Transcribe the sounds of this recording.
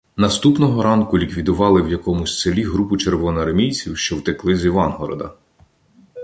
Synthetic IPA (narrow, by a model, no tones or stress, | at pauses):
nɐst̪upnɔɦɔɾɑnkʊlʲikʋʲid̪ʊʋɑlˠɪwjɐkɔmʊsʲselʲiɦɾupʊt͡ʃerʋɔnɔɐrmʲijt͡sʲiwʃt͡ʃɔwt̪ɪklˠɪzʲiʋɑnɦɔɾɔ̰d̪ɐ̰